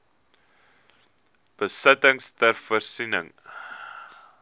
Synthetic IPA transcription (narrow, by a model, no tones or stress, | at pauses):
b̥əsətəŋstərfərsinə̰ŋ